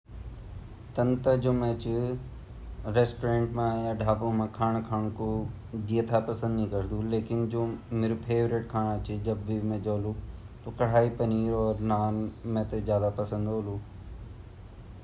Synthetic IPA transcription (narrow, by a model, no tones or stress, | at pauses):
t̪ɐnt̪əd͡ʑoːmẽːt͡ɕɪ | ɾeːsʈoɾẽːɳʈmãjaɖʱaːpõmãːkʰaːɽ̃kʰaːɽ̃ko | d͡ʑiːət̪ʰapɐsə̃nd̪nĩkɐɾd̪uleːkɪnd͡ʑoːmeɾupʰeːʋɾɪʈkʰaːɽ̃ɐt͡ɕɪd͡ʑɐbːɪmẽd͡ʒoːlu | t̪oːkɐɽ̤aːipɐniːɾɔːɾnaːnmẽt̪ezjaːd̪apɐsə̃nd̪oːluː